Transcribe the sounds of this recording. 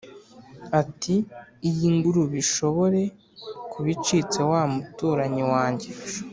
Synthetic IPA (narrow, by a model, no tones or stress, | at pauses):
atiːjiŋɡuɾuβiʃo̞βo̞ɾe̞ | kuβit͡ʃit͡se̞wamutuːɾaɲiwaːɲɟe̞